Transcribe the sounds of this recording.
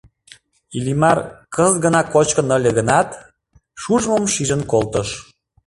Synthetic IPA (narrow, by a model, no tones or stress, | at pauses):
ilʲimɑrkəzɣənɑkot͡ɕkənəlʲə̆ɣənɑt̪ | ʃuʒməmʃiʒə̆nkolt̪əʃ